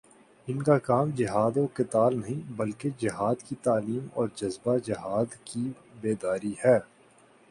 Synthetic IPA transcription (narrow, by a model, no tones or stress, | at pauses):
ɪnkakaːmd͡ʒɪɦaːd̪õkɪt̪aːlnɐɦĩbɐlked͡ʒɪɦaːd̪kit̪aːliːmɔ̰ːɾd͡ʒɐzbad͡ʒɪɦaːd̪ki | beːd̪aːɾiɦɛː